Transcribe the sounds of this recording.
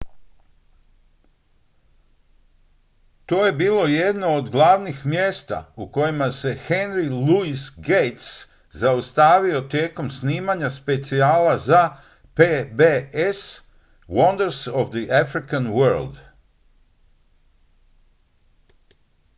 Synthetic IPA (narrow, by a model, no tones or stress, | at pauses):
t̪oːje̞biːlo̞je̞d̪noːd̪ɡlˠaːʋnixmjeːst̪a̰uko̞jimase̞xenɾiluisɡejt̪s | zaust̪aːʋio̞t̪je̞ːko̞msniːmaɲaspe̞t̪siaːlaza | pebees | wond̪eɾsoʋd̪iʔafɾikanwøɾld̪